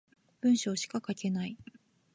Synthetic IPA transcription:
b̥ɯ̟̃ɰ̃ɕo̞ːɕi̥kakake̞nai

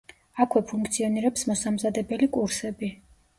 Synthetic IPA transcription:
akʰwɛpʰuŋkʰt̪sʰiɔniɾɛpsmɔsamzad̪ɛbɛlikʼuɾsɛbi

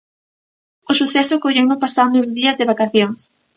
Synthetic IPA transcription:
ʊsuθɛsʊkoʎewnʊpasand̪ʊzðiɐzðɪβakaθjoŋs

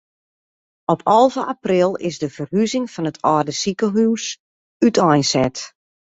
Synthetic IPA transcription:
ɔpʰɔlˠvəʔaprɪlˠɪ̰zdəfərɦyzɪŋfɔnətʰɔːrdəsikəɦyːs | ytʰɔjnsɛt

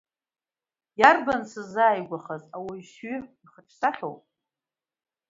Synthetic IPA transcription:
jarbansɨzaːjɡʷaχazawajʃɥyiχəʈ͡ʂʰsaχʲo̰wpʼ

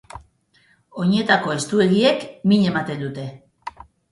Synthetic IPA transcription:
oɲe̞t̪ako̞e̞st̪ue̞ɣie̞kmiɲe̞mat̪e̞nd̪ut̪e̞

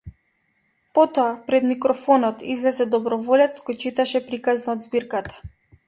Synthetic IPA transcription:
pɔt̪ɔapɾɛd̪mikɾɔfɔnɔt̪izlɛzɛd̪ɔbɾɔvɔlɛt̪skɔjt͡ʃit̪aʃɛpɾikaznaɔd̪zbiɾkat̪ḁ

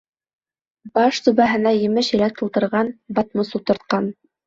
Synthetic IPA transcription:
bɑʃsʉβæɦɘ̆næjɘ̆mɘʃɘ̆læk̚t̪ɤ̆lˠt̪ɤ̆ɾʁɑnbɑt̪̚mɤsult̪ɤ̆ɾt̪̚qɑn

